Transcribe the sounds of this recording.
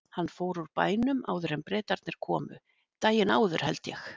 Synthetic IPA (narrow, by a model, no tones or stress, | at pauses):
hanːfoːwɾuɾpa̰ːjnʏma̰ːwðʏɾɛmpɾɛːt̪aɾt̪nɪɾ̥kʰɔːmʏ̰ | t̪aːjɪnaːwðʏɾ̥hɛ̰lt̪jɛx